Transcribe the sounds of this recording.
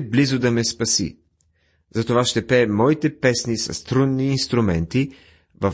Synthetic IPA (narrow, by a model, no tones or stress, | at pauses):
blizʊd̪ɐmɛspɐsḭ | zɐt̪ovaʃt̪ɛpɛmɔit̪ɛpɛsnisɐ̰st̪ɾud̪niːnst̪ɾʊmɛnt̪i | vɐ